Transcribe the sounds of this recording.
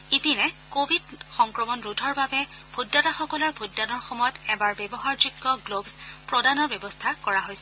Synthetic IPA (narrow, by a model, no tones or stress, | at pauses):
ipinɛkobʱidxɔŋkɹɔmɔnɹudʱɔɹbabɛ | b̥ʱudːataxɔkɔlɔɹbʱudːanɔɹxɔmɔjɔtɛbaɹbɛbɔɦaɹzuɡːɔɡlobspɹɔdanɔɹbɛbɔstʰakɔɹaɦojsɛ